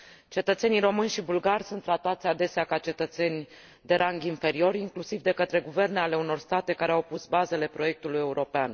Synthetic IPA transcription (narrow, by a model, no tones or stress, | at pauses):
t͡ʃe̞t̪ət̪se̞nijɾo̞mɨnʲʃibulɡarʲsunt̪ːɾat̪at̪sʲad̪e̞seakat͡ʃe̞t̪ət̪se̞nʲ | d̪e̞ɾʔaŋɡʲinfe̞ɾio̞ɾʲiŋklusivd̪e̞kət̪ɾe̞ɡuve̞rne̞ale̞uno̞rst̪at̪e̞kaɾe̞awpusbaze̞le̞pɾo̞je̞k̚t̪uluje̞uɾʔo̞pean